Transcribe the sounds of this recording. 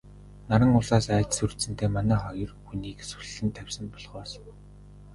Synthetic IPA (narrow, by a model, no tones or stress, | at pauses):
naɾə̆ŋʊɮaːsæːt̪sur̥t̪sɘ̆nt̪ʰeːmanæːχɔjɞ̆rxuniːksu̥ɮɮɘ̆nt̪ʰæwʲsə̆mpɔɮχɔːs